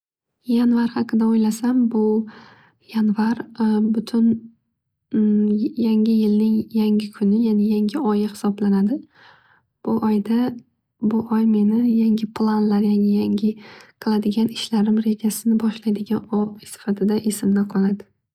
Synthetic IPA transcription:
janvaɾhɑqɨd̪aojlasambʊ | janvaɾbʊt̪ʰʊn | jaŋʲɪjɪlnɪŋjaŋʲɪkʰʊnɪjanɪjaŋʲɪɒjɪhɪ̥sɒblanad̪ɪ | b̥ʊʔɒjd̪a | bʊʔɒjme̞nɪjaŋʲɪpʰlˠanlaɾjaŋʲɪjaŋʲɪqʰɨlˠad̪ɪɡʲanɪʃlaɾɪmɾe̞d͡ʒasɪnɪbɒʃlajd̪ɪɡʲanɒsɪ̥fat̪ʰɪd̪aʔesɪmnɪqʰɒlad̪ɪ

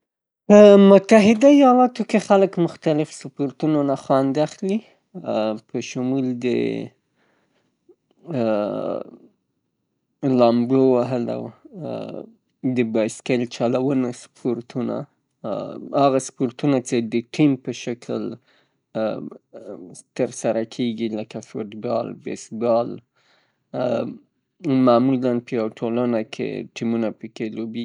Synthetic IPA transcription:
pəmʊt̪aɦɪd̪aijɑlɑt̪okexaləkmʊxt̪alɪfspoɾt̪unonaxɑnd̪axli | pʰəʃʊmuld̪ə̰ | lɑmbɽowaɦəla̰w | d̪əbɑjskalt͡ʃɑlawənaspʰoɾt̪una̰ | aɣaspoɾt̪unat͡ʃed̪əʈʰimpəʃakʰəl | t̪əɾsaɾakʰeɡiləkafoʈbɑ̰lbḛsbɑl | mamulanpəjawaʈʰolanakʰḛʈimunapəkelobi

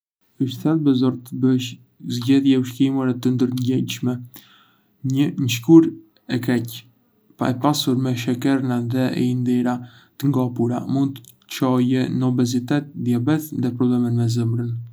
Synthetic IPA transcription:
əʃθɛlbɛzɔɾt̪əbəʃ | zɟɛðjauʃkimaɾɛt̪ənd̪əɾɲɟɛɲʃmɛ | ɲəɲəʃ̬kuɾ | ɛkɛc | pa̰ɛpasuɾmɛʃɛkɛɾnaðɛɛ̰ind̪ɛɾa | t̪əŋɡɔpuɾa̰mund̪t̪ə | t͡ʃɔjɛnɔbɛzit̪ɛt̪ðjabɛθðɛpɾɔblɛmənmɛzəmɾən

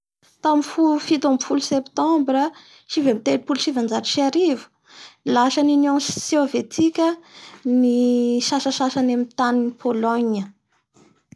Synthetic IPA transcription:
t̪amifulufit̪amfulusept̪ɑ̃mbɾə | ʃivamit̪elupuluʃivand͡ʒaɾiʃiaɾivu̥ | laʃəninjɔ̃ssovet̪ʰikʲəniʃaʃəʃaʃanemit̪aninipʰolɔɲə

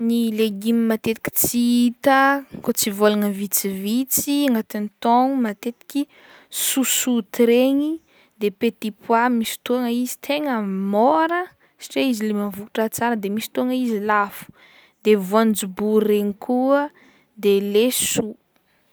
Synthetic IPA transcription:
nileɡimimat̪et̪i̥kʲi̥t͡siit̪əkot͡sivolanəvit͡sivit͡siaŋɡat̪init̪oŋumat̪et̪i̥kʲi | susut̪ɾeɲi | d̪epet̪ipʰwamisi̥t̪uaŋəizi̥t̪ʰeŋəmoɾə | si̥ʈ͡ʂeizilemavuku̥ʈ͡ʂət͡saɾəd̪emisi̥t̪uaŋəizilafu̥ | d̪evuand͡zuburreɲikʰuə | d̪elesu

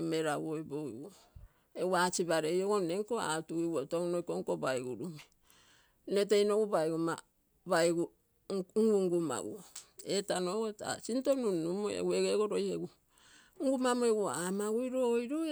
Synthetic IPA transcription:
meɾawojboḭo | ewat͡ʃiβaɾejoɡoneŋkoa̰tuɡiuotoŋnojkoŋkobajɡuɾume | nete̞jnoɡubajɡuma | βajɡu | ŋɡuŋɡuma̰ɡṵoetanoɡota̰sintonunːumoḛɡueɡeɡoɾojheɡu | ŋɡumamoeɡuoamaɡujɾojɾo

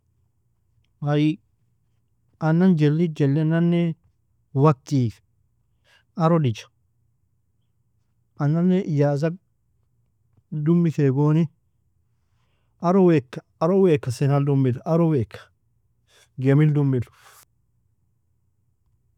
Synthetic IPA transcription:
wɐj | ʔɐnːɐnd͡ʒɛlːid͡ʒɛlːɛnɐnːɛ | wɐk̚t̪iːf | ɐɾɔdɪd͡ʒɐ̥ | ʔɐnːɐnːɛʔjaːs̬ɐk̚ | d̪ʊmːɪkeːɡoːnɪ | ʔɐɾɔwekːɐ̥ | ɐɾɔweːkːɐsɛnɐld̪ʊmːɪlɐɾɔweːkːɐ̥ | ɡemɪld̪ʊmːɪl

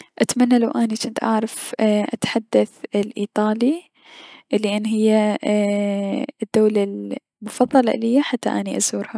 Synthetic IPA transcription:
ʔat̪manːalawʔaːnit͡ʃɪnt̪ʔa̰ʕɾˤɑfʔat̪ħad̪ːaθlʔiːt̪ˤɑːli | ʔlːiʔanːɦɪjːa | d̪ːaːlal | mʊfɑðˤːɑlɑ̰ʔlɪjːaħat̪ːa̰ʔaniʔazuːɾha

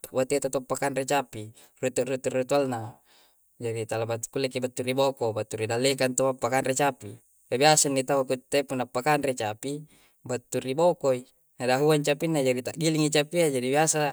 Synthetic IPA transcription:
bat̪at̪ot̪opːakanret͡ʃapi | rut̪uʔrut̪urut̪ualna | d͡ʒaɾit̪alabat̪u̥kulːekibat̪ːuɾibokobat̪ːuɾidalːekant̪oapːakanret͡ʃapi | kabiasanːit̪aukut̪ːepunapːakanret͡ʃapi | bat̪ːuribokoi | nadaɦuant͡ʃapinːad͡ʒaɾit̪aʔɡiliŋit͡ʃapiad͡ʒadibiasa

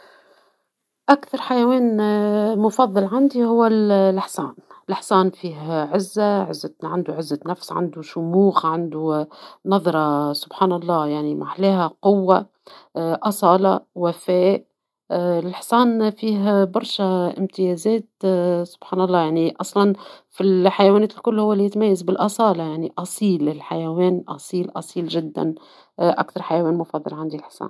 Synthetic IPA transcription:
ʔakθɑɾˤħajæwɛːnmʊfɑðˤːɑlʕand̪ihʊwːællɪħsɑ̰ːnɪlɪħsɑːnfiːɦʕɪzːaʕɪ̰zːaʕand̪uʕɪzːanæfsʕa̰nd̪uʃʊmuːxʕand̪unɑðˤɾˤɑsʊbħaːnɑlˤːɑːjaʕnima̰ħlɛːɦæqʊwːa | ʔɑsˤɑːlɑwæfɛːʔ | ɪlħsˤɑːnfiːɦbɑɾˤʃæʔɪmt̪ɪjɛzɛːt̪sʊ̥b̥ħaɑːnɑlˤːɑːjaʕniʔɑsˤlɑnfilħajwæːnɛːt̪ɪlkʊlːhʊwːæljɪt̪mæjːazbɪlʔɑsˤɑːlɑjaʕniʔɑsˤiːlɪlħajæwɛːnʔɑsˤiːlʔɑsˤiːlʒɪd̪ːæ̰n | ʔæ̰kt̪ɑɾˤħajæwɛːnmʊfɑðˤːɑ̰lʕand̪ilħsˤɑ̰ːn

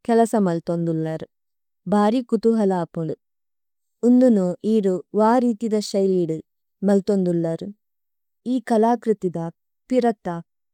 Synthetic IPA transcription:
kɛlɐsɐmɐlt̪ond̪ulːɐɾu | bʱaːɾikut̪uɦɐlaːpuɭu | und̪unuʔiːɾuʋaːɾiːt̪id̪ɐʃɐjliːɽu | mɐlt̪ond̪ulːɐɾu | iːkɐlaːkɾut̪id̪ɐ | piɾɐt̪ːɐ

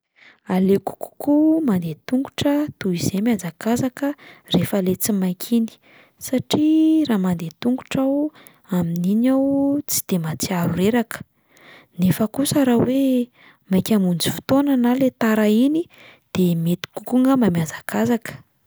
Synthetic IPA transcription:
aleku̥ku̥kumand̪et̪uŋɡu̥ʈ͡ʂət̪uizemjand͡zakazakərefəlet͡simajkʲʰini̥ | saʈ͡ʂiraːmand̪et̪uŋɡu̥ʈ͡ʂaw | aminiɲawt͡si̥d̪̥emat͡siaɾuɾeɾakə̥ | nefəkusaɾawe | majkʲamund͡zi̥fu̥t̪onanalet̪aɾaini | d̪̥emet̪i̥kukuŋəmamjand͡zakazakə̥

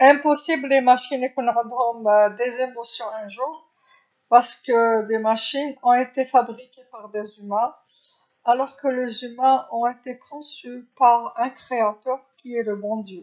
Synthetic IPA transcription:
ɛ̃pɔsiblemaʃinekɔ̃ñd̪ɔmd̪ezemɔsjɔ̃ɛ̃ʒuːʁ | paʁsə̥kəd̪emaʃinɔ̃et̪efabʁikʲepaʁd̪ezymɛ̃ | alɔʁkəlezymɛ̃ʔɔ̃et̪ekʰɔ̃sypaʁɛ̃kχeat̪œʁkʲiɛləbɔ̃d̪jø

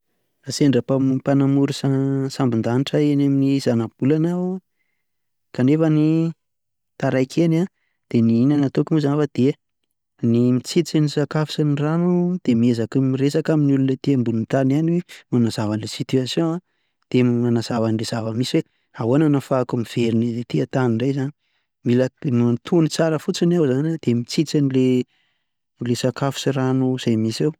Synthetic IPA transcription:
aseɳɖ͡ʐəpapanamuɾusasambind̪aniʈ͡ʂaenaminiz̥anab̥̚ulanaw | kaɳefəni | t̪aɾajkʰena | d̪̥eniinanat̪okumuzanavad̪̥e | nimit͡sit͡sinisakafi̥saniranud̪̥emiezakimiresakaminiulunət̪embulunt̪ananiwemanazavanlesit̪yasjõa | d̪̥emmanazavanilez̥avəmisiwe | awananafakumiv̥eɾinizet̪iat̪aniɳɖ͡ʐajzani | milamant̪ʰunit͡saɾəfut͡sinawzanad̪̥emit͡sit͡sanile | lesakafu̥siranuz̥ajmisew

